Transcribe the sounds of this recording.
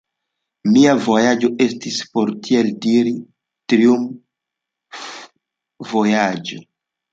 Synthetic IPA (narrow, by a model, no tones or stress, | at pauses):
miavo̞jad͡ʒo̞ʔe̞stispo̞ɾtʰieldiɾi | tɾium | vo̞jad͡ʒo̰